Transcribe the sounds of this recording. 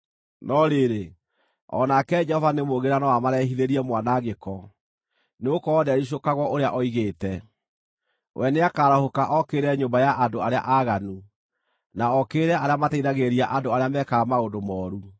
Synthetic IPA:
nɔɾeɾe | ɔ̰nakɛd͡ʒɛhɔvanemoɣeɾanɔwamaɾɛɦiðeɾiɛmwanaɣekɔ | neokɔːðɛɾiɕ̬okaɣwɔʔoɾeaʔɔiɣeːtɛ | wʔɛneakaːɾahokaʔɔkeːɾɛɲoːmbajaʔadoaɾea̰ʔaɣanu | naɔkeːɾɛʔaɾeamataiðaɣeɾiaʔadoaɾeamɛkamaondomɔːɾu

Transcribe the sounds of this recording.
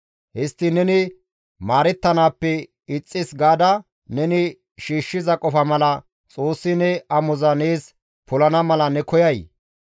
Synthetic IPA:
hɪst̪ːɪnɛnɪ | maːɾɛt̪ːɐnaːpːɛ | ɪt͡sʼːɪsɡaːd̪ɐ | nɛnɪ | ʃiːʃːɪzɐkʼɔfɐmɐlɐ | t͡sʼoːsːɪnɛɐmɔzɐneːs | pʊlɐnɐmɐlɐnɛkɔjɐj

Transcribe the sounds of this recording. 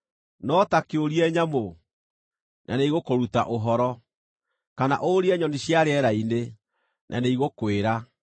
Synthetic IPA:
nɔtakeoɾiɛɲamo | nʔa̰neiɣokoɾuta̰ʔoɦɔɾɔ | kana̰ʔoɾiɛɲɔniɕjaɾeɛɾaine | nʔa̰neiɣokweɾa

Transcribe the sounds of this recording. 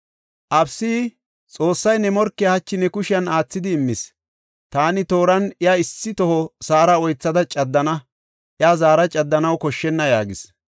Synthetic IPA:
ʔɐbsiː | t͡sʼo̞ːsːɐjnɛmɔɾkːɪɐhɐt͡ʃːɪnɛkʊʃɪɐnaːt͡sːɪd̪ɪːmːɪs | t̪aːnɪt̪o̞ːɾɐnɪaɪsːɪt̪ɔhɔsaːɾɐɔjt͡sːɐd̪ɐt͡ʃʼɐd̪ːɐnɐ | ʔɪaːzaːɾɐt͡ʃʼɐd̪ːɐnɐwkɔʃːɛnːɐjaːɡɪs

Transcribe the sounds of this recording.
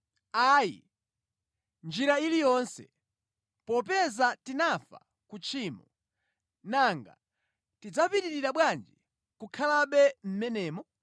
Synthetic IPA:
ajḭ | nd͡ʒiɾailijɔnsɛ̰ | pɔpɛzatinafa̰ | kut͡ʃʰiːmɔ̰ | naŋɡa̰ | tid͡zapitiɾiɾaɓwand͡ʒi | kukʰalaɓɛm̩mɛnɛːmɔ

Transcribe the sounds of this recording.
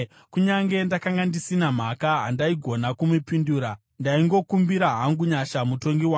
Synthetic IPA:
kuɲaŋɡe̞ndakaŋɡandisinam̤akaɦa̰ndaiɡʱo̞nakumupinduːɾa | ndaiŋɡo̞kumbiɾaɦaŋɡuɲaʃamutoŋɡiwa

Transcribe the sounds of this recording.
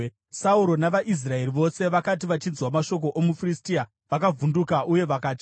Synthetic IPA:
sauɾo̞naʋaʔis̬rae̞riʋo̞se̞ʋakat̬iʋat͡ʃid͡zwamaʃo̞k̬o̞ʔomufiristia | ʋakavundukaʔuje̞ʋakaːd͡ʒa

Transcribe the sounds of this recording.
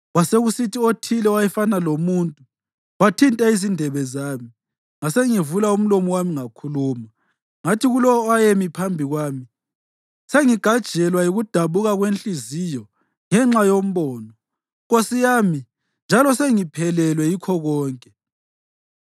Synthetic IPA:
waseɣusitʰiotʰilɛwajɛfanalomuntʼu | watʰintʼaizindʱɛβɛzaːmi | ŋaseŋivulaum̩lomɔwamiŋakʰuluːma | ŋatʰiɣulɔɔajemipʰambʱiɣwaːmi | seŋiɡ̥ʱad̥ʒ̥ʱɛlwajiɣud̥ʱaβuɣaɣwent͡ɬʼizijɔ | ŋɛŋ͡ǁajom̩βɔːnɔ | ɣosijaːmi | nd͡ʒʱalɔseŋipʰɛlɛlwɛjikʰɔɣɔːŋkʼɛ

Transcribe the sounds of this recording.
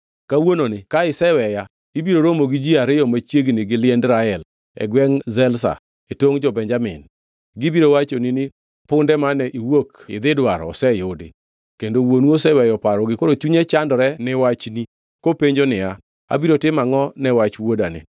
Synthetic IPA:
kawononɪkaɪsɛwɛja | ibiɾoɾomoɡid͡ʒiaɾɪɔmat͡ʃjeɡnɪɡɪlɪɛndɾaɛl | ɛ̰ɡwɛŋzɛlsa̰ | etoŋd͡ʒɔbɛɲd͡ʒamɪ̰n | ɡɪbiɾowat͡ʃoninɪ | pʊndɛmanɛʔiwokɪ̰d̪ɪdwaɾɔ̰sɛjodḛ | kendowonwosɛwɛjɔpaɾɔɡɪkoɾot͡ʃuɲɛt͡ʃandɔɾɛnɪwat͡ʃni | kopeɲd͡ʒonɪa | a̰biɾotɪmaŋɔnɛwat͡ʃwodanɪ̰

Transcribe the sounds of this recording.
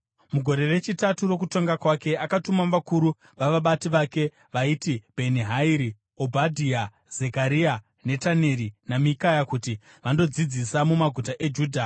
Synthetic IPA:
muɡʱo̞ɾe̞re̞t͡ʃitaturo̞k̬uto̞ŋɡakwake̞akatumaʋakuɾu | ʋaʋaɓatiʋake̞ | ʋaitib̥ʱeniɦaiɾi | obʱadʱia | z̥e̞kaɾia | ne̞tane̞ɾinamikajakuti | ʋando̞d͡zid͡zisamumaɡʱutaʔe̞d͡ʒuːdʱa

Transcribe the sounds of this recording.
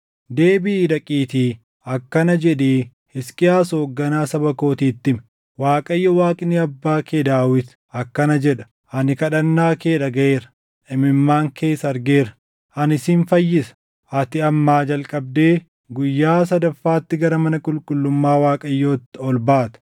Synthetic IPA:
d̪e̞ːbiːɾɐkʼiːt̪iː | ɐkːɐnɐd͡ʒɛᶑeː | hɪskʼɪjaːsoːɡːɐnaːsɐbɐko̞ːt̪iːt̪ːɪm | waːkʼɐjːɔwaːkʼɪniɐbːaːkʰeːd̪aːwɪt̪ | ɐkːɐnɐd͡ʒɛᶑɐ̥ | ʔɐnɪkɐᶑɐnːaːkeːᶑɐɡɐʔeːɾɐ | ʔɪmɪmːaːŋkʰe̞ːsːɐɐɾɡeːɾɐ̥ | ʔɐnɪsiːnfɐjːɪsɐ̥ | ʔɐt̪ɪɐmːaːd͡ʒɐlkʼɐb̚d̪e̞ː | ɡʊjːaːs̬ɐd̪ɐfːaːt̪ːɪɡɐɾɐmɐnɐkʼʊlkʼʊlːʊmːaːwaːkʼɐjːoːt̪ːɔlbaːt̪ɐ̥

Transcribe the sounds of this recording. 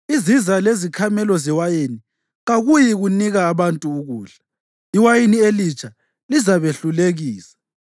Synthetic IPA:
izizalezikʰamɛlɔzɛwajeni | ɣaɣujiɣuniɣaːβantʼuːɣuːɬḁ | iwajinielit͡ʃʼa | lizaβeɬuleɣiːsḁ

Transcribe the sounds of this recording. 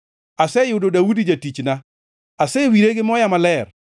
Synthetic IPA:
asɛjʊdodawudid͡ʒatit͡ʃna | asɛwiɾeɡɪmɔjamalɛr

